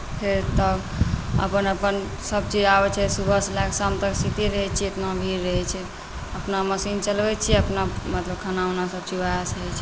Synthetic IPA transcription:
pʰeɾt̪ə | ə̰pənəpən | səb̚t͡ʃid͡ʒabɛt͡ʃʰɛsubʱəslaksamt̪əksit̪iɾəɦɛt͡ʃʰiet̪nabʱiɾːəɦɛt͡ʃʰɛ | əpnaməsint͡ʃəlbɛt͡ʃʰiɛəpnamət̪ləb̚kʰənaonasəb̚t͡ʃibaasəɦɛt͡ʃʰɛ

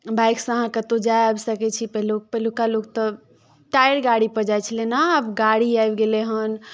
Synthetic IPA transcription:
bajksə̃ɦãkət̪od͡ʒajabsəkɛt͡ʃʰipəɦlok̚pəlukalok̚t̪ɔ | ʈajəɽɡaɽipəd͡ʒajt͡ʃʰəlenaːbɡaɽiajbɡeleɦən

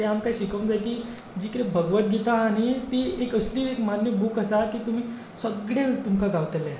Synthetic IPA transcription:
eɦamkaiɕikəʋnd͡zajkiː | d͡ʑikəɾẽbʱəɡʋət̪̚ɡit̪aːɽ̃it̪iekəsliːekmanjəbuːkəsakiːt̪um̤iː | səɡɽet̪umkaɡaʋt̪əle

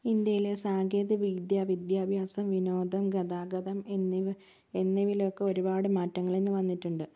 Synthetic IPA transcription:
ind̪jɐjile̞saːɡeːd̪iʋid̪jaːʋid̪jaːbʱjaːsɐmʋino̞ːd̪ʱɐmɡɐd̪aːɡɐd̪ɐmnːiʋ | enːiʋilo̞kːeo̞ɾubaːɽɨmaːtːɐŋːɐɭe̞nːɨʋɐnːiʈːuɳɖɨ

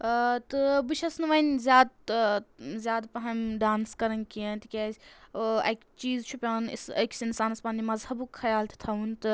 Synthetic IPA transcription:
t̪ɨbɨʃɐsnɨʋɐinzʲjaːd̪̚ | zʲjaːd̪pɐɦɐmɖaːnskɐɾɐnkijɐnt̪ikʲeːsʲɐ̰kt͡ʃiːzt͡ʃʰupʲaːnḭsɐ̰ksinsaːnspaːnimɐzhɐbukxɐjaːlt̪ʰt̪ʰɐunt̪ɨ

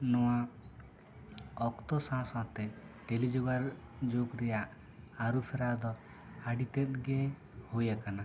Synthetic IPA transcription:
nɔwa | ɔkt̪ɔsãw̃sat̪ɛʈelid͡ʒɔɡaɾ | d͡ʒokɾɛjaʔ | aɾupʰɛɾad̪ɔ | aɖit̪ɛt̪̚ɡɛ | hojakana

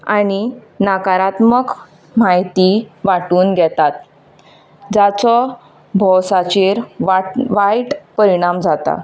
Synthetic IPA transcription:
aɽ̃i | nakaɾat̪mək | majt̪iʋaʈuːnɡʱjɛt̪at̪̚ | d͡ʑat͡sɔ | bʱɔwsat͡ɕeɾaʋajʈpəɾiɽ̃amd͡zʱat̪a̰

